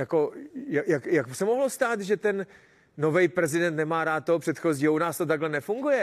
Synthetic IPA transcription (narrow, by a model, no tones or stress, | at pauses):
jako̞jajakjaksɛmoɦlost̪aːt̪ʒɛt̪ɛnː | o̞vɛjpɾɛzɪdɛnt̪nɛmaːɾaːt̪̚ːoɦopr̥ɛt̪xo̞ziːɦounaːst̪o̞t̪aɡɦlɛnɛfuŋɡujɛ